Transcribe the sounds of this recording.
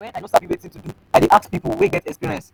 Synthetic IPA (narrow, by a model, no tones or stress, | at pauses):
ɛ̃naɪnõsabjiwetĩtudu | aɪdeʔak̚tpipl̩weɡɛtɛkspiɹiɛ̃ns